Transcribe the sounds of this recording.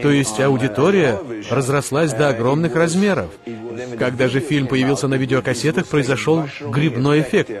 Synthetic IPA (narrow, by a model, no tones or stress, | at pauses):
t̪o̞jɪsʲtʲɐʊdʲɪt̪o̞ɾʲɪjərəzrɐslˠasʲd̪əːɡɾo̞mnɨxrɐzmʲe̞ɾə̰fkɐɡd̪aʐɨfʲilʲmpəjɪvʲilˠsʲənɐvʲidʲɪokɐsʲe̞t̪əxpɾəɪzɐʂo̞lˠɡɾʲɪbno̞jɪfʲek̚t̪